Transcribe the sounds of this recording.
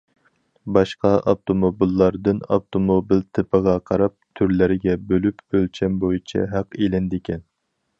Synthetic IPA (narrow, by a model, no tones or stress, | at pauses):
bɑʃqɑʔɑbt̪ʰomobilˠːɑɾd̪ɨnɑ̰pt̪ʰomobilt̪ʰɨpʰəʁɑqʰɑɾɑp̚t̪ʰyɾlɪɾɪɡʲɛbølypølt͡ʃʰɛnbojit͡ʃʰɛ̰ɦæqelɪnd̪ekʲɛn